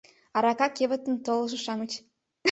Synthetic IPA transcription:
ɑɾɑkɑkeβə̆t̪ə̆nt̪olɤ̆ʒɤ̆ʃɑmət͡ɕ

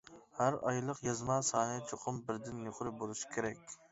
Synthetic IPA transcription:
hæɾɑjlˠəqjɑzmɑːsɑːnɨt͡ʃʰoqʰʊmbɪɾd̪ɪnːoχɾɪbolˠuʃi̥kʲʰeɾɛkʲ

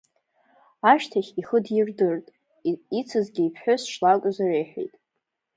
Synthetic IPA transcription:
aʃtʰaχʲiχədjɪrdɨrtʼ | it͡sʰɨzɡʲiiːpʰħʷᶣʊsʂlakʷʼzarejħʷᶣḛjtʼ

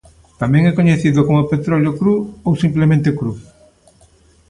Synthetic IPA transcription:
t̪amɛ̃ŋɛkoɲeθiðokomopet̪ɾɔljokɾuowsimplemẽnt̪ekɾu

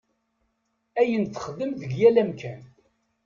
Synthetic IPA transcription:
æjənθə̥χðəmðəʝjælæmkʰæn

